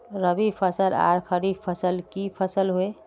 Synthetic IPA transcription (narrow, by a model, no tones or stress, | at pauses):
ɾəbipʰəsəla̰ɾkʰəɾipʰəsəlkipʰəsəlɦoe